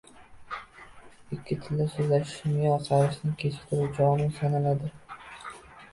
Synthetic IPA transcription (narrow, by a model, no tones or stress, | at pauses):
ɪkʲːɪt̪ʰɪld̪asozlaʃɪ̥ʃmɪjɒqʰɑɾɪʃnɪŋkʲʰet͡ʃʰɪ̥p̚t̪ʰɪɾuwd͡ʒɒnɪnsanalad̪ɪ